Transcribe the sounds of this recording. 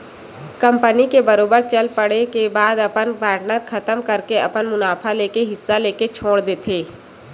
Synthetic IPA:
kə̃mpənikebɐɾoːbəɾt͡ʃəlpəɽekebaːd̪ɐpənpaːɾʈnəɾxʰɐt̪əmkəɾkeɐ̰pənmʊnaːpʰaleːkeɦɪsːaleːket͡ʃʰoːɽd̪eːt̪ʰeː

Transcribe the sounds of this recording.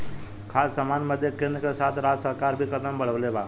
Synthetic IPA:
kʰaːsːəmaːnməd̪ʱjekenkesaːt̪ʰɾaːd͡ʒsəɾkaːɾbʱikəd̪əmbəɽ̤əʋlebaː

